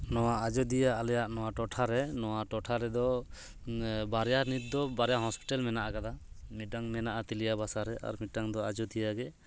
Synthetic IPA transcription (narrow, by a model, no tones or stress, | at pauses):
nɔwaad͡ʒɔd̪ijaːlɛjaʔnɔwaʈɔʈʰaɾɛnɔwaʈɔʈʰaɾɛd̪ɔ | baɾɛjanit̪̚d̪ɔbaɾɛjaɦɔspi̥ʈalmɛnaʔakad̪a | miɖaŋmɛnaʔat̪ilijabasaɾɛa̰ɾmiɖaŋd̪ɔad͡ʒɔd̪ijaɡɛ